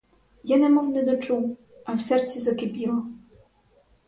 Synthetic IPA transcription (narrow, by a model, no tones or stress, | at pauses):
janɛmɔwnɛd̪ɔt͡ʃuw | awsɛrt̪t͡sʲizɐkɪpʲilˠɔ